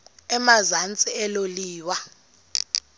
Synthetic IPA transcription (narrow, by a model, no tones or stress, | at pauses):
ɛmazant͡sʼiɛloliːwa